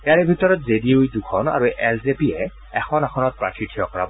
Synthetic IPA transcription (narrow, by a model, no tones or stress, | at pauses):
ejaɹebʱitɔɹɔtzediujdukʰɔna̰ɹuʔɛszepiɛ | ɛxʰɔnaxʰɔnɔt̚pɹa̰kɹitʰijɔkɔɹa̰bɔ